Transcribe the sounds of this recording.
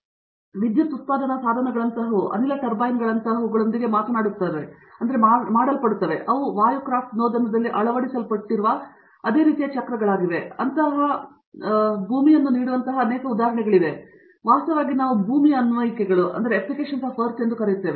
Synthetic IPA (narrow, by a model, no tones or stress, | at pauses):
ʋid̪jɐt̪ːut̪̚paːd̪ʱɐnɐsaːd̪ʱɐnɐɡɐɭɐnt̪ɐɦuʔɐ̰nilɐʈɐɾbaːjnɡɐɭɐnt̪ɐɦɐʋɡɐɭo̞nd̪iɡe̞maːt̪ɐnaːɽiut̪ːad̪e | ɐnd̪ɐɾe̞amaːɽɐlpɐɽut̪ːɐʋe̞ʔɐʋuʋaːjukɾaːfʈnoːd̪ɐnɐd̪ɐlːiʔɐɭɐʋɐɽisɐlpɐɽʈːiɾuʋɐ | ɐd̪e̞ːɾiːt̪ijɐt͡ʃɐkɾɐɡɐɭaːɡiʋe̞ɐnt̪ɐɦɐ | bʱuːmijɐnːuniːɽuʋɐnt̪ɐɦɐːneːkɐud̪aːɦɾɐɳɛɡɐɭid̪e̞ | ʋaːst̪ɐʋaːɡinaːʋubʱuːmijɐɐnʋɐjikɛɡɐɭuʔɐ̰nd̪ɐɾeːplike̞ːʂɐnsapʰɐɾt͡ʃend̪ukɐɾijt̪ːeːʋe